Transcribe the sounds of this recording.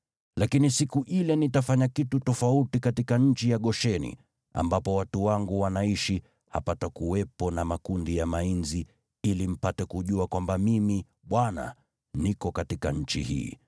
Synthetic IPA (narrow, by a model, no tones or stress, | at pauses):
lakinisikuʔilɛnitafaɲakitutɔfautikatikaɲ̩t͡ʃijaɠɔʃɛnḭ | a̰mbapɔwatuwaŋɡuwanaiʃi | ha̰patakuwɛpɔnamakundijamainzi | ilim̩patɛkuʄuakwambamimi | ɓwana̰ | nikɔkatikaɲ̩t͡ʃḭhḭː